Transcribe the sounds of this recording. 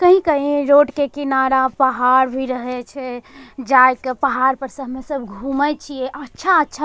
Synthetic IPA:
kəɦĩkəɦĩɾoʈkekinaɾapəɦaɾbʱiɾəɦɛt͡ʃʰɛd͡ʒajkepəɦaɾpəɾsəɦmesəbʱɡʱumət͡ʃʰijeʔətːʃʰaətːʃʰa

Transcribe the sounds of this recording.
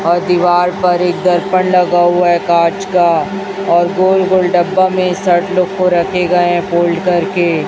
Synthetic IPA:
ɔːɾd̪iʋaːɾpɐɾeːk̚d̪ɐɾpənlɐɡaɦuaɛkaːd͡ʒka | ɔːɾɡoːlɡoːlɖɐbːamẽsɐʈloɡkoɾɐkʰeɡɐeɦɛ̃poːlɖkɐɾke

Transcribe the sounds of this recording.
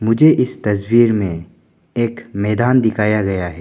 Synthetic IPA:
mʊd͡ʒʱeʔɪst̪ɐswiːɾmẽ | eːkmɛːd̪aːnd̪ɪkʰaːjaɡɐjaɦɛː

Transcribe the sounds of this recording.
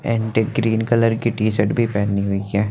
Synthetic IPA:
ɛ̃ːɳʈeɡɾiːnkɐləɾkiʈiːsəʈbʱipɛːniɦoiɦɛː

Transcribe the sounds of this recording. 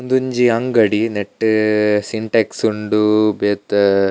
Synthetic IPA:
und̪uɲd͡ʒiɐŋɡɐɽineʈːsiɳʈeksuɳɖubeːt̪

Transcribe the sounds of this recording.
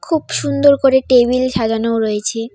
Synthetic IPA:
kʰubʃund̪oɾkoɾeʈebilʃad͡ʑanooɾojet͡ɕʰe

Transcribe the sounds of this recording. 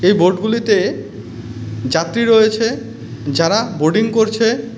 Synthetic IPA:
ejbʱoɾʈɡulit̪e | d͡ʑat̪ːɾiɾoet͡ɕʰe | d͡ʑaɾaboɖiŋkoɾt͡ɕʰe

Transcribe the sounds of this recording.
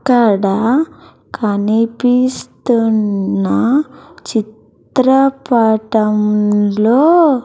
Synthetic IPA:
kːɐɽɐ | kʰɐnipist̪unːɐt͡ʃitt̪ɾɐpaːʈɐmloː

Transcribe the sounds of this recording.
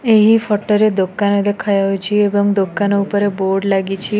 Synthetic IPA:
eɦifəʈəɾed̪okanod̪ekʰajajũt͡ʃʰiebəŋɡd̪okanoupəɾeboɾɖlaɡit͡ʃʰi

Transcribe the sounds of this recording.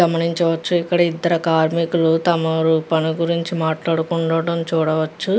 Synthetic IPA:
ɐmɐniɲt͡ʃɐʋɐt͡ʃːuikːɐɽɐid̪ːɐɾɐkaːɾmikulut̪ɐmɐʋɐɾupɐnuɡuɾiɲt͡ʃimaːʈlaːɽukuɳɖɐʋɽɐmt͡ʃuːɽɐʋɐt͡ʃːu

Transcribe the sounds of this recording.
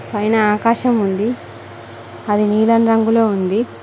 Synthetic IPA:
pɐjnɐaːkaːʃɐmund̪i | ɐd̪iniːlɐnɾɐŋɡuloːund̪i

